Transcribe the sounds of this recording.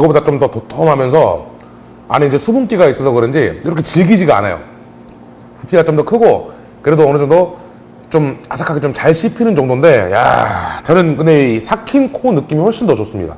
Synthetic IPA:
kɯɡʌbodat͡ɕomtʌtotʰomɦamjʌns̬ʰʌ | a̰neiɲd͡ʑe̞sʰubunk͈iɡais͈ʌsʰʌkɯɾɯnd͡ʑḭjʌɾʌkʰe̞t͡ɕiɭɡid͡ʑiɡaa̰na̰jo̰ | pʰupʰiɡat͡ɕomdʌkʰɯɡo | kɯɾe̞doʌnɯd͡ʑʌŋdo | t͡ɕomasʰakʰaɡet͡ɕomt͡ɕaɭɕʰipʰinɯnd͡ʑʌŋdonde̞ja̰t͡ɕʌnɯnkɯneisʰakʰinkʰonɯk͈imiɸoɭɕ͈indod͡ʑos͈ɯmɲḭda̰

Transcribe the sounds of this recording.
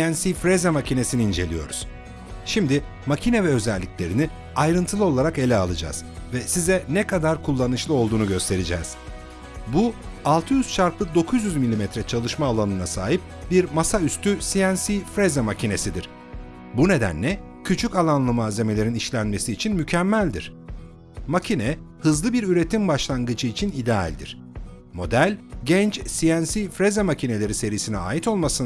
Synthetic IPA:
jansifɾezamacʰine̞siniːnd͡ʒe̞lʲijo̞̰ɾṵz̥ | ʃimd̪ɪ | macʰinɛvɛø̞zɛlʲːiclʲe̞ɾini | ajɾɯnt̪ʰɯlˠɯo̞lˠaɾake̞lʲɛalˠɯd͡ʒa̰ːz̥vɛsizɛnɛkʰad̪aɾkʰulˠːanɯt͡ʃlˠɯo̞lˠd̪uːnuɟø̞st̪ʰe̞ɾid͡ʒɛ̰ːz̥ | bualˠt̪ʰɯjyz̥t͡ʃʰaɾplˠɯd̪o̞kʰuzjyzmilʲimɛt̪ɾɛt͡ʃʰalˠɯʃmaːlˠanɯnasaːɦip̚biɾmasayst̪ʰysijansifɾezamacʰine̞sid̪iɾ̥ | bune̞d̪æ̰nːʲɛ | cʰyt͡ʃʰycalˠanlˠɯmaːze̞me̞lʲe̞ɾiniʃlʲænme̞siːt͡ʃʰinmycʰæmːælʲd̪iɾ̥ | macʰinɛ | hɯzlˠɯbiɾyɾe̞t̪ʰimbaʃlˠanɡɯt͡ʃʰɯit͡ʃʰinid̪ea̰lʲd̪ḭɾ̥ | mo̞d̪ælʲɟɛnt͡ʃsijænsifɾezamacʰine̞lʲe̞ɾise̞ɾijːsinɛa̰ːjit̪ʰo̞lˠmasɯn

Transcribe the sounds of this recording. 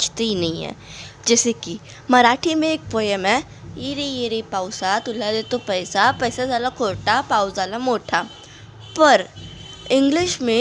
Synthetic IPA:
t͡ʃʰt̪einɐɦĩɦɛ̰ːd͡ʒɛːseki | mɐɾaːʈʰimẽeːk̚poːjəmɦɛ | iɾijiɾipaːʊsat̪ʊlad̪eːt̪opɛːsapɛːsazaːd̪akʰoːɾʈapaːuzaːlamoːʈʰaː | pɐɾ | ɪ̃ŋɡlɪʃmẽ

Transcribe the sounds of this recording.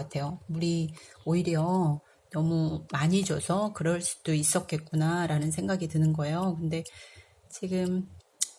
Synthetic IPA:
atʰe̞jomuɾioiɾjʌ | nʌmumaɲid͡ʑʌsʰʌkɯɾʌɭs͈u̥d̥͈ois͈ʌk͈e̞t̚k͈unaɾanɯnsʰe̞ŋɡaɡitɯnɯnɡʌejokɯnde̞ | t͡ɕiɡɯm

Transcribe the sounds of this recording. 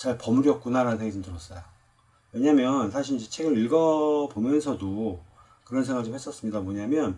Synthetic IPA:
t͡ɕaɭpʌmuɾiʌk͈̚unaɾanɯnsʰeɡed͡ʑɯntɯɾʌs͈ʌjo | we̞ɲamjʌnsʰaɕʰiɾind͡ʑet͡ɕʰe̞ɡɯɾiɭɡʌpomjʌnsʰʌdo | kɯɾʌnsʰe̞ŋɡad͡ʑioɦes͈ʌs͈ɯmɲidamʌɲamjʌn

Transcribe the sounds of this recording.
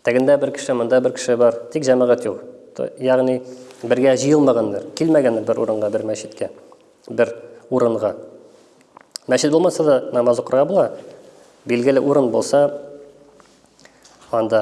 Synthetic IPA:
t̪ɘ̆ɡɘ̆nd̪æbɘɾkɘ̥̆ʃɘmŏnd̪ɑbɘɾkɘ̥̆ʃɘbɑɾt̪ikʑæmæ̆ʁæt̪juqt̪jæʁnibɘ̆ɾɡæʑɤ̆jɤlˠmɑʁɑnːɑɾkilmæɡænbɘɾuɾɤ̆ɴʁɑbɘɾmæsɘ̥̆t̪kæ | bɘɾuɾɤ̆ɴʁɑ | mæɕɘt̪bulˠmɑsɑd̪ɑnɒmɑzuqɤ̆ɾʁɑbulˠɑ | bilɡɘlɘʔuɾɤnbulˠsɑ | ɒnd̪ɑ

